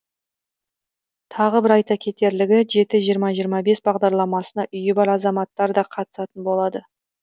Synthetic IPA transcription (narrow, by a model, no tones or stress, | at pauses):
t̪ʰɑʁəbɪɾɑjt̪ɑkʲʰe̞t̪e̞ɾlɪɡʲɪʒe̞t̪ɪʒijəɾmɑʒijəɾmɑbe̞sbɑʁd̪ɑɾlˠɑmɑsənɑʔʏjɪbɑɾɑzɑmɑt̪ːɑɾd̪ɑqʰɑt̪ə̥sɑt̪ənbo̞lˠɑd̪ə